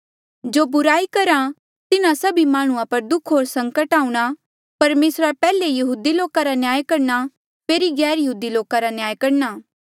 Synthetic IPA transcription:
d͡ʒoːbʊɾaːikɐɾa | t̪ɪnãsɐbimaːɽ̃ʊ̃ãpɐɾd̪ʊkʰɦoːɾsɐ̃ŋkəʈaːũɽ̃a | pɐɾmeːsɾapɛːlejɐɦuːd̪iloːkaɾanjaːjkɐɾña | peːɾiɡɛːɾjɐɦuːd̪iloːkaɾanjaːjkɐɾnaː

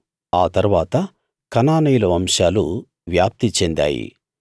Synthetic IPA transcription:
aːt̪ɐɾuʋaːt̪ɐ | kɐnaːnɐjulɐʋɐmʂaːlu | ʋjaːp̚t̪it͡ʃend̪a̰ːjḭ

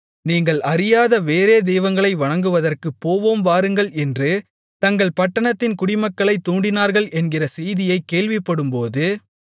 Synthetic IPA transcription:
niːŋɡɐɭʔɐɾɪjaːðɐʋeːɾeːd̪ɛjʋɐŋɡɐɭɐɪʋɐɳɐŋɡɯʋɐðɐrkɯpːoːʋoːmʋaːɾɯŋɡɐɭɛndrɯ | t̪ɐŋɡɐɭpɐʈːɐɳɐt̪ːɪnkʊɽɪmɐkːɐɭɐɪt̪ːuːɳɖɪnaːɾɣɐɭʔɛnɡɪrɐsɛjðɪjɐɪkːeːɭʋɪpːɐɽɯmpoːðɯ

